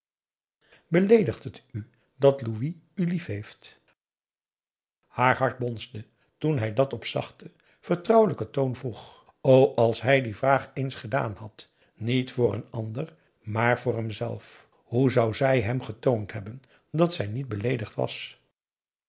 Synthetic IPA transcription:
bəlejdəχtəty | dɑtlui | ylifɦejft | haːɹɦɑɹd̚bɔnzdə | tunɦɛjdɑtɔpsɑ̰χtə | v̥əɹtrʌwləkətownvruχ | owʔɑlˠsɦɛjdivraːχejnsχəda̰ːnhɑt | nitfʊːrənɑndər | maːɹvʊːɹɦɛmzɛ̰lˠf | huzʌwzɛjɦɛmχətowntɦɛbən | dɑtsɛjnid̚bəlejdəχtʋɑ̰s

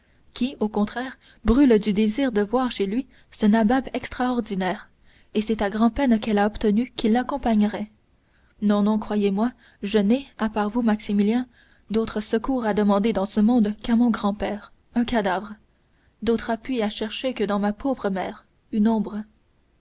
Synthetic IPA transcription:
kʲʰiokɔ̃t̪χɛːʁ | bʁyld̪yd̪eziːʁd̪əvwaːʁʃelɥi | sənababɛkst̪χaɔʁd̪inɛːʁ | esɛt̪aɡʁɑ̃pɛnkɛlaɔpt̪ənykʲilːakɔ̃paɲʁɛ | nɔ̃nɔ̃kχwajemwa | ʒənɛapaʁvumaksimiljɛ̃ | d̪ot̪χəsəkuːʁad̪əmɑ̃d̪ed̪ɑ̃səmɔ̃d̪kamɔ̃ɡʁɑ̃pɛːʁ | œ̃kad̪avʁ | d̪ot̪χapɥiaʃɛʁʃekəd̪ɑ̃mapʰoːvʁəmɛːʁ | ynɔ̃ːbʁ

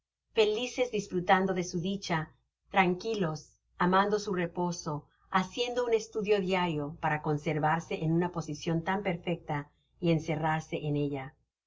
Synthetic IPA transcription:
fe̞lise̞zðisfɾut̪and̪o̞ðe̞suðit͡ʃa | t̪ɾaŋkilo̞s | amand̪o̞sure̞po̞so̞ | asje̞nd̪o̞une̞st̪uðjo̞ðjaɾjo̞paɾako̞nse̞ɾβaɾse̞ʔenunapo̞sisjo̞nt̪ampe̞ɾfe̞k̚t̪a | ie̞nse̞raɾse̞ʔene̞ʝa

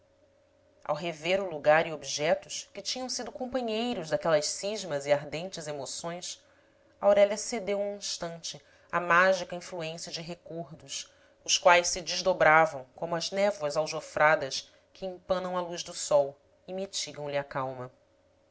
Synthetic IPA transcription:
a̰wɦeveɾʊluɡaɾiobiʒɛt̪ʊʃkɪt͡ʃĩɲɐ̃w̃sid̪ʊkõmpɐ̃ɲejɾʊʒd̪akɛlɐʃsiʒmɐziaɾd̪ẽnt͡ʃɪzemosõj̃s | ɐawɾɛʎɐsed̪ewũĩʃt̪ɐ̃nt͡ʃɪ | ɐmaʒikɐĩfluẽsiɐd͡ʒɪɦekoɾd̪ʊs | ʊskwajʃsɪd͡ʒɪʒd̪obɾavɐ̃w̃kõmʊɐznɛvwɐzawʒofɾʔad̪ɐs | kʰɪĩpɐ̃nɐ̃w̃ɐlujʒd̪ʊsɔw | ɪmit͡ʃiɡɐ̃w̃lɪɐkawmɐ

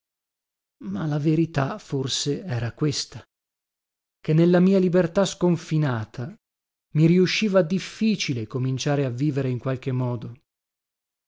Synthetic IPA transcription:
malaveɾit̪aforseɛːɾakwest̪a | kenːelːamiːalibert̪askoɱfinaːt̪ʰa | miɾiuʃːiːvad̪ifːiːt͡ʃilekomint͡ʃaːɾeavːiːveɾeiŋkwalk̟emːɔːd̪o

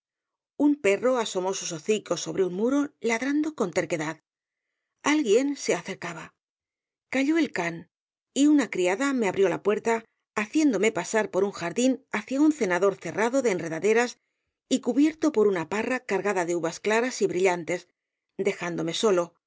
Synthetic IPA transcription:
umpe̞ro̞aso̞mo̞suso̞θiko̞so̞βɾeunmuɾo̞laðɾand̪o̞ko̞nt̪e̞ɾke̞ðað | alɣje̞nse̞aθe̞ɾkaβa | kaʎo̞e̞lkan | iunakɾiaðame̞aβɾjo̞la̰pwe̞ɾt̪aː | θje̞nd̪o̞me̞pasaɾpo̞ɾuŋxaɾðinaθjaunθe̞naðo̞ɾθe̞rʔaðo̞ðeːnre̞ðaðe̞ɾas | ikuβje̞ɾt̪o̞po̞ɾunaparakaɾɣaðaðe̞uβasklaɾasiβɾiʎant̪e̞s | d̪e̞xand̪o̞me̞so̞lo̞

